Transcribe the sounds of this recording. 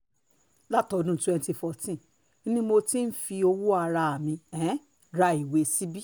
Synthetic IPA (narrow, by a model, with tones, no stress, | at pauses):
la˦tɔ˨˧˨dũ˦˨tu˨ɛ̃˧nti˧fɔ˨tĩ˦˨ | i˦nĩ˦mo˧ti˦n̩˦fi˧o˧wu˦a˧ɾa˧˨a˨mĩ˧ɛ̃˨˦ | ɾa˧i˨we˨˧si˦bi˦